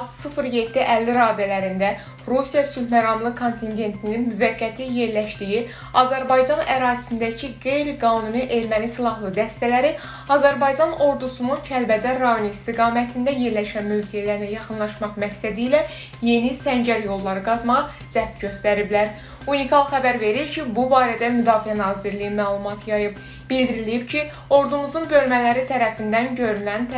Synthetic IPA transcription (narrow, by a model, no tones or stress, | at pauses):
t̪sɯfɾje̞d̪ːiʔælːiɾɑːd̪ælæɾind̪æ | ɾusijɑsylmæɾɑmlˠɯkʰo̞nt̪ʰinɟe̞nt̪ʰininmyvæɡːæt̪ʰije̞ɾlæʃd̪iji | ɑzæɾbɑjd͡ʒɑnæɾɑːzi̥sind̪æcʰiɡe̞jɾiɡɑːnuniʔe̞ɾmænisilˠɑɦlˠɯd̪æst̪ælæɾi | ɑzæɾbɑjd͡ʒɑno̞ɾd̪usununcʰælbæd͡ʒæɾɑjonist̪iɡɑːmæt̪ʰind̪æje̞ɾlæʃænmø̞vɡeælæɾinæjɑχɯnlˠɑʃmɑqmæcsæd̪iːlæ | je̞nisæɲd͡ʒæɾjo̞lˠːɑɾɯɡɑzmɑʁɑ | d͡ʒæɟø̞st̪æɾiblæɾ | unikʰɑlˠxæbæɾve̞ɾiɾcʰibubɑːɾæd̪æmyd̪ɑːfiænɑːziɾlijimæːlˠumɑt̪ʰjɑjɯb | b̥ild̪iɾilijibcʰi | o̞ɾd̪umuzunbø̞lmælæɾit̪ʰæɾæfind̪ænɟøɾylænt̪